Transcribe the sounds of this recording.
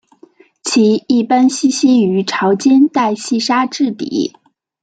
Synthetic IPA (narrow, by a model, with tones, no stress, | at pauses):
t͡ɕʰi˧˥i˥˩pa˥nɕi˥ɕi˥y˧˥ʈ͡ʂʰɑ˧˥ʊt͡ɕjɛ˥nt̪a˥˧ɪɕi˥˩ʂa˥ʈ͡ʂɻ̩˥˩t̪ḭ˨˩˦